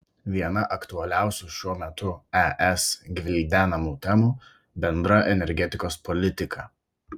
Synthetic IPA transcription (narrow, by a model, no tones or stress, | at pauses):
ʋʲiɛnɐʔɐkt̪ʊɐlʲæˑʊsʲuʃʲuɔmʲɛt̪ʊɛʔɛsɡʲʋʲɪlʲd̪ʲæːnɐmuːt̪ʲɛmuː | bʲɛnd̪ɾɐʔɛnʲɛɾʲɡʲɛt̪ʲɪkoːspɔlʲɪt̪ʲɪkʰɐ